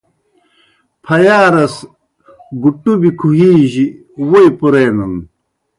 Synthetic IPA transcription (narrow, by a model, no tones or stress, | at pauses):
pʰɐjaːɾɐs | ɡuʈːubikʰuɦiːʑi | wojpuɾeːnɐn